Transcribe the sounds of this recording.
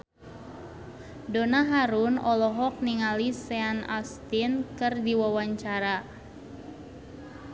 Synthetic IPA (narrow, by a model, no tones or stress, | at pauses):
donaɦaɾunɔlɔɦɔk̚niŋalisɛana̰st̪inkɨrdiwawaɲt͡ʃaɾa